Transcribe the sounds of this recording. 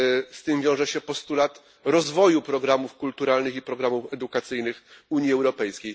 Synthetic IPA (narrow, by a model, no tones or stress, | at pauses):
st̪ɘmvʲjɔ̃w̃ʐɛɕɛpɔst̪ulat̪ | ɾɔzvɔjupɾɔɡɾamufkult̪uɾalnɘxipɾɔɡɾamufɛd̪ukat̪sɘjnɘxuɲiɛwɾɔpɛjskʲej